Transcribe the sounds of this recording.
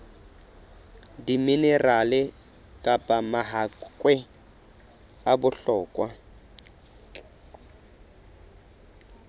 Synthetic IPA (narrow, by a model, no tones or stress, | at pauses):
diminɛralɪ | kʼapʼamaɦakʼwɛ | abʊɬɔːkʼwa